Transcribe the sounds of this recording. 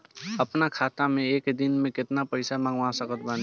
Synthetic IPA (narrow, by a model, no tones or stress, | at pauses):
əpnakʰat̪ameekd̪inmẽket̪napəɪsamãŋɡasəkət̪̚ban